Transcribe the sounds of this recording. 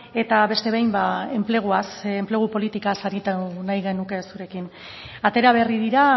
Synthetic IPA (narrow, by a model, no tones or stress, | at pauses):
e̞t̪aβe̞st̪e̞βejmbae̞mple̞ɣ̞uasemple̞ɣ̞upo̞lit̪ikasaɾit̪anajɣe̞nuke̞suɾe̞kin | at̪e̞ɾaβ̞e̞riðiɾa